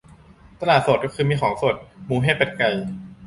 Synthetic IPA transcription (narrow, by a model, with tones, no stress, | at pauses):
t̪a˧laː˨˩so˨˩kɔ˥˩xɯː˧miː˧xʰɔː˩˦ŋso˨˩t̪̚muː˧ɦa˥˩pa˧nka˨˧j